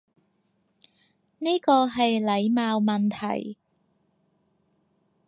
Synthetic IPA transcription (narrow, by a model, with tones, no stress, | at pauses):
niː˥kɔː˧ɦɐ˨jlɐ˨˧jmaː˧wmɐ˨nt̪ʰɐ̰˨˩j